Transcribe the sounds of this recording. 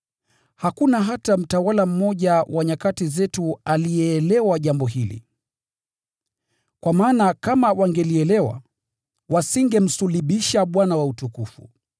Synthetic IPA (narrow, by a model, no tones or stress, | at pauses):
hakunaɦatam̩tawalam̩mɔʄawaɲakatizɛtualijɛːlɛwaʄambɔɦilḭ | kwamaːnakamawaŋɡɛliɛlɛwa̰ | wasiŋɡɛm̩suliɓiʃaɓwanawautukufṵ